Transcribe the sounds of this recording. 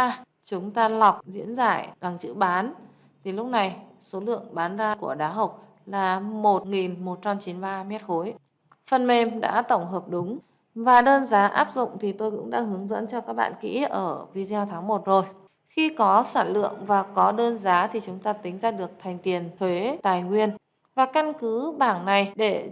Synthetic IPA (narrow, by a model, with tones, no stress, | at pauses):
t͡ɕʊ˨˦ŋ͡mt̪aː˧lɔ˨˩wk͡p̚zḭ˧˥ənza̰ː˧˩ɗa˨˩ŋt͡ɕɨ̰˧˥ɓaː˨˦n | t̪ʰi˨˩lʊ˦˥k͡p̚na˨˩j | so˨˦lɨ̰˧˨əŋɓaː˨˦nzaː˧ku˧˩əɗaː˨˦ɦə˨˩wk͡p̚ | laː˨˩mo˨˩t̚ŋi˨˩nmo˨˩t̚t͡ɕa˧mt͡ɕi˨˦nɓaː˧mɛ˦˥t̚xo˨˦j | fə˨˩nme˧˩mɗa̰ː˧˥t̪ə˧˩wŋ͡mɦəː˨˩p̚ɗʊ˨˦ŋ͡m | vaː˨˩ɗəː˧nzaː˨˦ʔaː˦˥p̚zʊ̰˧˨ŋ͡mt̪ʰi˨˩t̪o˧jkʊ̰˧˥ŋ͡mɗa̰ː˧˥ɦɨ˨˦əŋzə̰˧˥nt͡ɕɔ˧kaː˦˥k̚ɓa̰ː˧˨nkḭ˧˥ʔəː˧˩vi˧zɛ˧wt̪ʰaː˨˦ŋmo˨˩t̚zo˨˩j | xi˧kɔ˨˦sa̰ː˧˩nlɨ̰˧˨əŋvaː˨˩kɔ˨˦ɗəː˧nzaː˨˦t̪ʰi˨˩t͡ɕʊ˨˦ŋ͡mt̪aː˧t̪ï˨˦ŋ̟zaː˧ɗɨ˨˩ək̚t̪ʰa˨˩jŋ̟t̪i˨˩ənt̪ʰwe˨˦t̪aː˨˩jŋwi˧ən | vaː˨˩ka˧nkɨ˨˦ɓaː˧˩ŋna˨˩jɗe˧˩